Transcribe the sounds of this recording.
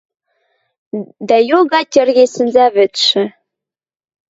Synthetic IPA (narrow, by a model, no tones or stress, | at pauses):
d̪æjoɣɑtʲĕrɣʲesɘ̆nzæβɘ̆t̪ʃɘ̆